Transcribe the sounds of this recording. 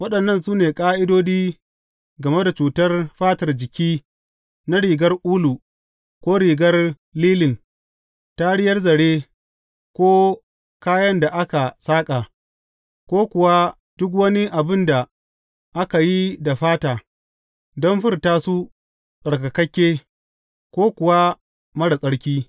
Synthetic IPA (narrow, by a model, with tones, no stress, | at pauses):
wɐ˦ɗɐ˨nːɐ˦˨nsuː˦neː˨kʼaː˦ʔɪ˦doː˦diː˦ | ɡɐ˨me˦da˨t͡ʃuː˨tɐ˦rɸaː˦tɐ˨rd͡ʒɪ˨kʲiː˦ | na˦ɽiː˨ɡɐ˦rʔuː˦lu˨ | kʷoː˦ɽiː˨ɡɐ˦r | liː˦lɪ˨n | ta˦ɽɪ˦jɐ˦rzɐ˨ɽe˦ | kʷoː˦ | kaː˦jɐ˦nda˨ʔa˦ka˨saː˦kʼa˨ | kʷoː˦kʷʊ˨wa˦ | d̥ʊ˦k̬wɐ˦ni˦ʔa˨bɪ˦nda˨ | ʔa˦ka˨ji˦da˨ɸaː˦taː˨ | dɔ˦nɸɪ˦rtaː˦su˦ | sʼɐ˨ɽka˨kɐ˦kʲːeː˦ | kʷoː˦kʷʊ˨wa˦ | mɐ˦ɽa˨sʼɐ˦ɽkʲiː˦